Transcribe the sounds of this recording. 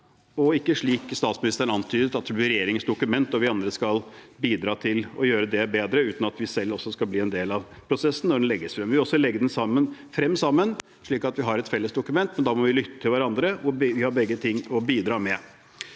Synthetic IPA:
ɔɪkːəʂɭiːkst̪ɑːt̪smɪnɪst̪əɳɑnt̪ʰyːd̪ət̪ɑt̪̚d̪ɛblɪɾɛjeːɾɪŋənsd̪ʊkʉmɛnt̪ɔʋɪɑnd̪ɾəskɑlbiːd̪ɾɑːt̪ʰɪlɔ̰jøːɾəd̪ɛbeːd̪ɾəʉːt̪nɑt̪ʋɪsɛlːɔsːɔskɑlbliːɛnd̪eːlɑʋ | pʰɾʊsɛsːn̩nːɔɖɛnlɛɡːəsfɾɛmʋɪʋɪɔsːɔlɛɡːəd̪ɛnsɑmːənfɾɛmːsɑmːən | ʂɭiːkɑt̪ʋɪɦɑɾɛt̪fɛlːəsd̪ʊkʉmɛnt̪mɛnd̪ɑːmɔʋɪlʏt̪ːə̥t̪ʰɪlʋæɾɑnd̪ɾəʊʋɪhɑɾbɛɡːət̪ʰɪŋːɔbiːd̪ɾɑːmɛ

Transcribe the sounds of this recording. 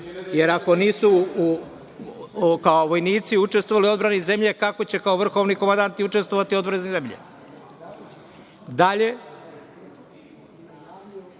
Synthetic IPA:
je̞ɾako̞niːsu | kaoʋo̞jniːt̪siut͡ʃest̪oʋalio̞d̪bɾaneze̞mʎe̞kako̞t͡ɕe̞kaoʋr̩xo̞ʋnikomand̪ant̪iut͡ʃe̞st̪ʋoʋat̪io̞d̪bɾanznezemʎḛ | d̪aʎe

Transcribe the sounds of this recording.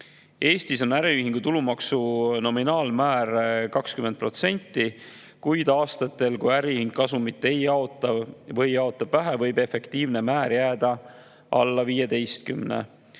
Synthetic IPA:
e̞ːst̪iso̞næɾiyɦiŋɡ̥ut̪ulumɑksuno̞minɑːlmæːrkɑkskymend̪̚pro̞t̪se̞nʲt̪ːi | kujd̪ɑːst̪ɑt̪ːˑe̞lkujæɾiyhiŋɡkːɑsumit̪ːˑe̞jɑot̪ːɑvɤjɑo̞t̪ːˑɑb̥væɦævɤjbe̞fe̞kt̪iːvne̞mæːɾjæːd̪̥ɑ | ʔɑ̰lːɑviːjed̪e̞jst̪̚kymnḛ

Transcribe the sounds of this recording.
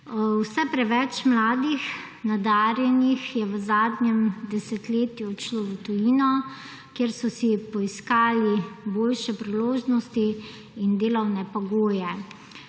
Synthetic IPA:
wsɛpɾɛʋɛt͡ʃmlaːd̪ix | nad̪aɾjɛnixjɛʋəzaːd̪nɛmd̪ɛsɛt̪leːt̪jut͡ʃloːʋət̪ujiːnɔ | kjeːɾsɔsipɔiskaːliboːlʃɛpɾiloːʒnɔst̪iː | nd̪eːlɔwnɛpɔɡoːjɛ

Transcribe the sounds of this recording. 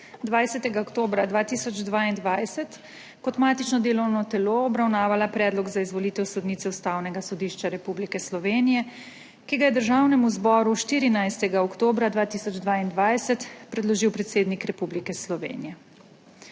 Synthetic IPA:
d̪ʋajsɛt̪ɛɡaɔkt̪oːbɾad̪ʋaːt̪iːsɔd͡ʒd̪ʋaːind̪ʋajsɛt̪ | kɔt̪maːt̪it͡ʃnɔd̪eːlɔwnɔt̪ɛloːbɾawnaːʋalapɾɛːd̪lɔɡzaizʋɔlit̪ɛwsɔd̪niːt̪sɛust̪aːwnɛɡasɔd̪iːʃt͡ʃaɾɛpublikɛslɔʋeːnijɛ | kiɡajɛd̪əɾʒaːwnɛmuzbɔːɾuʃt̪iːɾinajst̪ɛɡaɔkt̪oːbɾad̪ʋaːt̪iːsɔd͡ʒd̪ʋaːind̪ʋajsɛt̪pɾɛd̪lɔʒiwpɾɛt̪seːd̪nikɾɛpublikɛslɔʋḛːnḭjɛ

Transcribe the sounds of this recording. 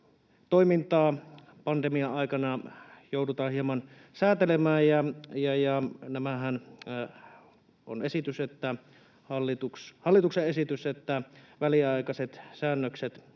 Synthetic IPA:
t̪oimint̪ɑː | pɑnd̪emiɑʔɑˑikɑnɑjoudut̪ɑːhiemɑn | sæːt̪elemæːjjɑjɑjɑnæmæɦæn | ʔo̰nesit̪yset̪ːæ | hɑlːit̪ukshɑlːit̪ukseesit̪yset̪ːæʋæliɑikɑset̪sæːnːøkset̪

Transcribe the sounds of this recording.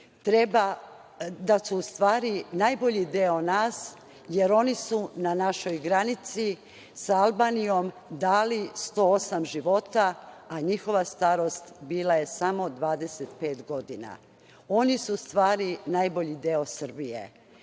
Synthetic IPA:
t̪ɾeba | d̪asuːst̪ʋaːɾinajbo̞ʎid̪eonaːs | je̞ɾo̞nisunanaʃo̞jɡɾanit̪si | saalˠbaːnijo̞m | d̪aːlist̪o̞ːosamʒiʋo̞t̪aːɲixo̞ʋast̪aɾo̞st̪biːlaje̞samo̞d̪ʋaːd̪e̞set̪pe̞ːt̪ɡo̞d̪ina̰ | o̞nisuːst̪ʋaːɾinajbo̞ʎid̪eo̞sr̩bijḛ

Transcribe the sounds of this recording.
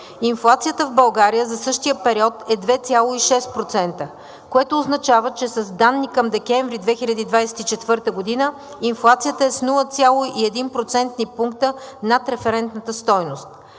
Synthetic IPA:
inflˠat̪sijət̪əvbɐlˠɡaɾijəzɐsɤʃt̪ijəpɛɾiɔt̪ɛd̪vɛt̪sʲjalˠoiʃɛst̪̚pɾot̪sɛnt̪ə | koɛt̪oːznɐt͡ʃavət͡ʃɛsɐzd̪anːikɐmd̪ɛkɛɱvɾid̪vɛxilʲɐd̪iːd̪vajsɛ̥t̪it͡ʃɛt̪vɤɾt̪əɡod̪inə | inflˠat̪sijət̪əɛsnulˠət̪sʲjalˠoʔiɛd̪inpɾot̪sɛnt̪nipuŋkt̪ənat̪ɾɛfɛɾɛnt̪nət̪əst̪ɔjnost̪̚

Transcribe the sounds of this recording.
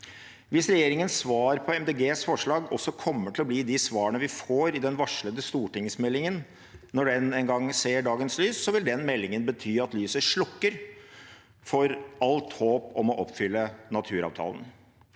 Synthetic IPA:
ʋɪsɾɛjeːɾɪŋənsʋɑːɾpʰɔɛmd̪eːɡeːsfɔʂɭɑːɡɔsːɔkʰɔmːəʈʰɪlɔbliːd̪ɪsʋɑːəɳəʋɪfoːɾɪd̪ɛnʋɑʂɭəd̪əst̪uːʈɪŋsmɛlːɪŋən | nɔɖɛnɛŋɡɑŋseːɖɑːɡənslyːsːɔʋɪld̪ɛnmɛlːɪŋənbət̪ʰyːɑt̪lyːsəʂɭʊkːəɾ | fɔɾɑlt̪hoːpɔmɔʔɔpːfʏlːənɑt̪ʰʉːɾɑ̰ːʋt̪ʰɑ̰ːlən

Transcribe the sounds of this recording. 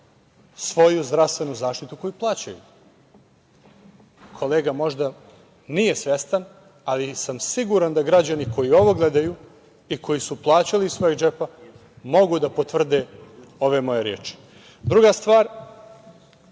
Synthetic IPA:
sʋo̞juzd̪ɾast̪ʋe̞nuzaːʂt̪it̪uko̞juplˠaːt͡ɕajṵ | kʰo̞leːɡamo̞ʐd̪a | nije̞sʋe̞st̪an | alisamsiɡuɾand̪aɡɾad͡ʑaniko̞jio̞ʋo̞ɡle̞d̪aju | ikʰo̞jisuplˠaːt͡ɕaliisʋo̞jeɡd͡ʒepa | mo̞ɡud̪apot̪vr̩d̪e | o̞ʋemo̞je̞ɾjeːt͡ʂi̥ | d̪ɾuɡast̪ʋaːɾ

